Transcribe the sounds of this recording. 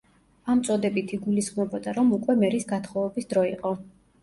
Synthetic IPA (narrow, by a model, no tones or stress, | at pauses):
amt̪sʼɔd̪ɛbit̪ʰiɡulisχmɔbɔd̪aɾɔmukʼwɛmɛɾisɡat̪ʰχɔvɛbisd̪ɾɔiqʼɔ